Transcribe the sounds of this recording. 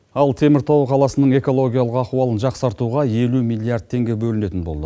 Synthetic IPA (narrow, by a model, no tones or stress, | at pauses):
ɑlˠt̪ʰe̞mɪɾt̪ʰɑwəqʰɑlˠɑsənəɴe̞ko̞lˠo̞ɡʲijalˠəqɑquwɑlˠənʒɑqsɑɾt̪uʁɑe̞lumijlʲˠiaɾd̪̚t̪ʰːe̞ŋɡʲe̞bɵlɪne̞t̪ɪnbo̞lˠd̪ə